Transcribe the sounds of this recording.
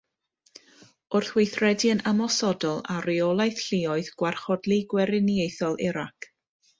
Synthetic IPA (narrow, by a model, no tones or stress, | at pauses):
ʊrθwɪjθrɛdiənʔamɔsɔdɔlˠariɔlˠajθɬɪɔɨðɡ̥warχɔdlˠiɡwɛɾɪnjejθɔlˠɪɾakʰ